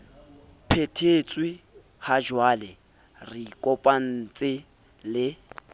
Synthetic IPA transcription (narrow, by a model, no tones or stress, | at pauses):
pʰetʰet͡sʼwɪ | had͡ʒwalɪ | rɪkʼɔpʼan̩t͡sʼɪ | lɪ